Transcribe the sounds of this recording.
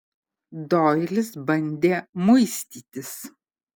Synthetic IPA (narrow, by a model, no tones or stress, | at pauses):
d̪ɔːjlʲɪsbɐnʲd̪ʲeːmɐɪsʲt̪ʲiːt̪ʲɪs